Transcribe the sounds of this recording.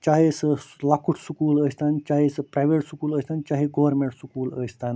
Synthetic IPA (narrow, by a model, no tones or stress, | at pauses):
t͡ʃaɦesəlakuʈʰsukuːləsʲt̪ant͡ʃaɦisəpɾajʋeʈsukuːləsʲt̪ant͡ʃaɦiɡoʋəɾmẽɳʈsukuːləst̪an